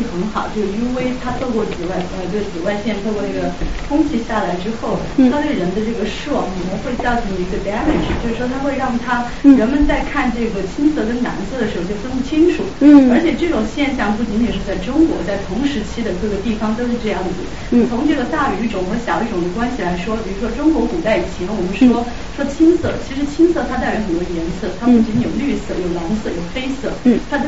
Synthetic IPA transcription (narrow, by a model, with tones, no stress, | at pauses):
xə˧˥nxɑ˨˩ʊt͡ɕjo˥˩ʂi˥nwe˥ɪt̪ʰa˥t̪ʰo˥˧ʊkwɔ˥˩t͡sɹ̩˨˩wa˥˩ɪə˧t̪we˥˩ɪt͡sɹ̩˨˩wa˥˧ɪɕjɛ˥˧nt̪ʰo˥˧kwɔ˥˧na˥˩ɡə˩kʰʊ˥ŋt͡ɕʰi˥ɕja˥˩la˧˥ɪʈ͡ʂɻ̩˥xo˥˩ʊ˥ | t̪we˥˩ɪɻə˧˥nd̪ə˧ʈ͡ʂɤ˥˩ɡə˩ʂ̩˥˩˥kʰə˨˩ə˧˥xwe˥˧ɪjɑ˥˩t̪ʰi˧˥ɡə˧ba˥lə˨˩ʈ͡ʂ̩˨˩t͡ɕjo˥˧ʊʂɻ̩˥˩ʂwɔ˥t̪ʰa˥xwe˥˧ɪɻɑ˥˩ŋt̪ʰa˥ | ɻə˧˥nmə˧˨nt͡sa˥˧ɪkʰa˥˧nʈ͡ʂɤ˥˩ɡə˩t͡ɕʰi˥nt͡sɤ˥k̬ə˥nna̰˧˥nt͡sɹ̩˥˩d̪ə˩ʂɻ̩˧˥˧o˧˩˥kŋpt͡ɕʰi˥ŋʈ͡ʂʰu˨˩˦ə˞˧˥t͡ɕʰjɛ˨˩ʈ͡ʂɤ˥˩ʈ͡ʂʊ˨˩ŋɕjɛ˥˧nɕ̬jɑ˥˧ŋpu˥˩t͡ɕi˧˥nji˨˩ʂɻ̩˥˧t͡sa˥˩ɪʈ͡ʂʊ˥ŋkwɔ̰˧˥t͡sa˥˩ɪt̪ʰʊ˧˥ŋʂɻ̩˧˥t͡ɕʰi˥d̪ə˨kɤ˥˩ɡə˩t̪i˥˩fɑ˧˩ŋt̪o˥ʊʂɻ̩˥˧ʈ͡ʂɤ˥˧jɑ˥˩ŋd̪ə˩ṵ˨˩˥t͡sʰʊ˧˥ŋʈ͡ʂɤ˥˩ɡə˩t̪a˥˩y˧˥ʈ͡ʂʊ˨˩ŋxɤ˧˥ɕjɑ˨˩ʊi˥˩ʈ͡ʂʊ˨˩ŋd̪ə˦˩kwa˥nɕi˨la˧˥ɪʂwɔ˥pi˨˩ɻu˧˥ʂwɔ˥ʈ͡ʂʊ˥ŋkwɔ˧˥ku˨˩t͡sa˥˩ɪi˨˩t͡ɕʰjɛ˧˥nwɔ˨˩mə˦nʂwɔ˥ | ʂɔ˥t͡ɕʰi˥nsɤ̰˥˩t͡ɕʰi˧˥ʂɻ̩˧˥t͡ɕʰi˥nsɤ˥˩t̪ʰa˥t̪̬a˥˩ɪɥɛ˧˥xə˨˩o˧˥jɛ˧˥nsɹɤ˥˩t̪ʰa˥pu˥˩t͡ɕi˧˥njo˨˩ʊly˥˩sɤ̰˥˩jo˨˩ʊna˧˥nsɤ˥˩jo˨˩ʊfe˥ɪsɤ˥˩t̪ʰa˥˧